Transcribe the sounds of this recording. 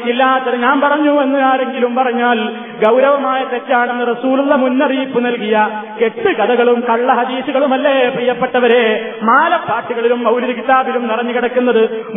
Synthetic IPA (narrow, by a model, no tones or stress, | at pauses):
ilːaːt̪ːɐɾɐɲaːnpɐrɐɲːue̞nːuaːɾe̞ŋɡilumpɐrɐɲːaːl | ɡɐwɾɐʋɐmaːjɐt̪etːaːɳe̞nːɨrɐsuːlulːɐmunːɐriːpːɨnɐlkijɐke̞ʈːɨkɐðɐɣɐɭumkɐɭːɐɦɐd̪iːsuɣɐɭumɐlːeprijɐpːe̞ʈːɐʋɐɾe̞ | maːlɐpːaːrʈːiɣɐɭilumbɐwlɐɾɐkit̪aːbilumnirɐɲːukiɽɐkːunːɐðɨ